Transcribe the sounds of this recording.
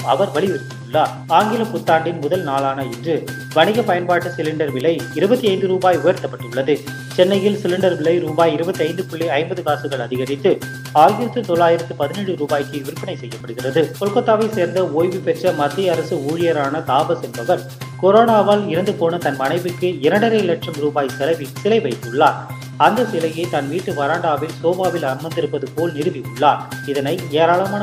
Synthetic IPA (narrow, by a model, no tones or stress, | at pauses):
ɐ̰ʋɐɾʋɐɭɪʋɪɾɯpːɯɭːɐ | aːŋɡɪlɐpʊt̪ːaːɳɖɪnmʊðɐlnaːlaːnɐɛndrɯ | ʋɐɳɪɣɐpɐjɐnpaːʈːɯsɪlɪɳɖɐɾʋɪɭɐɪɪɾɯbɐt̪ːiɐɪnd̪ɯɾuːbaːjʊjɐɾt̪ːɐpːɐʈːɯɭːɐðɯ | t͡ʃɛnːɐjɪlsɪlɪɳɖɐɾʋɪɭɐɪɾuːbaːjɪɾɯbɐt̪ːiɐɪnd̪ɯpʊɭːiɐɪmbɐðɯkaːsɯɣɐɭɐðɪɣɐɾɪt̪ːɯ | aːjɪɾɐt̪ːɯt̪ɔɭːaːjɪɾɐt̪ːɯpɐðɪnɛɽɯɾuːbaːjkːɯʋɪɾɯpːɪnɐɪsɛjːɐpːɐɽɯɣɪrɐðɯpɔɭkɐt̪ːaːʋɐɪseːɾnd̪ɐoːjʋɯpɛʈrɐmɐt̪ːɪjɐɐɾɐsɯuːɻɪjɐɾaːnɐt̪aːbɐsɛnbɐɣɐɭ | kɔɾoːnaːʋaːlɪɾɐnd̪ɯpoːnɐt̪ɐnmɐnɐɪbɯkːɯɪɾɐɳɖɐɾɐɪlɐʈʂɐmɾuːbaːjsɛlɐɪʋisɪlɐɪʋɐɪt̪ːɯɭːaːɾ | ɐnd̪ɐsɪlɐjɐɪt̪ɐnʋiːʈːɯʋɐɾaːɳɖaːʋɪlsoːbaːʋɪlɐɾmɐnd̪ɪɾɯpːɐðɯpoːlnɪɾɯʋiɯɭːaːɾɪðɐnɐɪeːɾaːɭɐmaː